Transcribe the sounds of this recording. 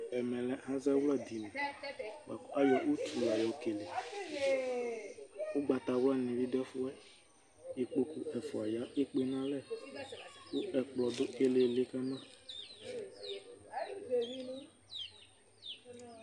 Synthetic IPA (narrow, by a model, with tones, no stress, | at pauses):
ɛ˨mɛ̃˨lɛ˦hã˦zɛ˦wlɛ˦d̪i˨nɛ̃˨ɡ͡ba˨ka˦jɔ˨ʔu˦tu˨la˨jɔ˨˦ke˨le˨ | o˦ɡ͡ba˨t̪a˨wla˦nĩ˨vi˦dɛ˦fu˦ɛ˦ | i˨k͡po˨ku˦ɛ˨fɔ˨a˨ja˦e˦k͡pe˦nã˦lɛ˦˨ | wu˦ɛ˨k͡plɔ˨d̪o˦e˦le˨le˦ka˦nã˦˨